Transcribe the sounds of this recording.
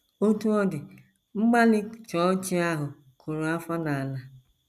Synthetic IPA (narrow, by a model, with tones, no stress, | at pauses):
o˦tu˦ɔ˦dɪ˨ | ŋ͡m̩˦ɡ͡ba˦lɪ˦t͡ʃɔ˦t͡ʃi˦a˦ɦʊ˨ | kʰo˨ɾo˨a˦fa˦na˨a˨la˦